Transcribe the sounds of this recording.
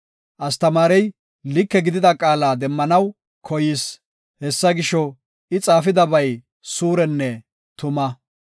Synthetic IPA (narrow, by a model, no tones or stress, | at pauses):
ʔɐst̪ɐmaːɾɛj | lɪkːɛɡɪd̪ɪd̪ɐkʼaːlaːd̪ɛmːɐnɐw | kʰɔjɪs | hɛsːɐɡɪʃɔ | ɪt͡sʼaːfɪd̪ɐbɐj | suːɾɛnːɛ | t̪ʊmɐ